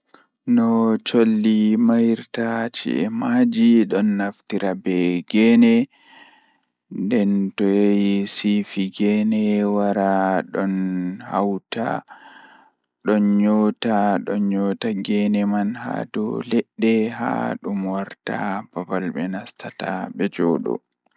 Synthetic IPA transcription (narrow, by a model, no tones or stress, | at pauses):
nɔt͡ʃolːimajɾtat͡ʃḭɛmad͡ʒiɗɔnːaftiɾabɛɡɛnɛ | ndɛntɔjejisifiɡɛnɛwaɾaɗɔnhawta̰ | ɗɔnɲɔtaɗɔnɲɔtaɡɛnɛmanha̰dɔ̰lɛɗːɛɦa̰ɗumwaɾta̰b̥abalɓɛnastʰataɓɛd͡ʒɔːɗɔ̰